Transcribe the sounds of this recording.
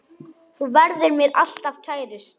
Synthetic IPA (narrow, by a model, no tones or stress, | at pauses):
θuvɛɾðʏɾmjɛɾal̥t̪avcʰaːjɾʏs